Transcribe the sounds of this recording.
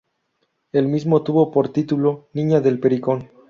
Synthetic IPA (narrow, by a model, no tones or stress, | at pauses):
e̞lmizmo̞t̪uβo̞po̞ɾt̪it̪ulo̞nĩɲaðe̞lpe̞ɾikon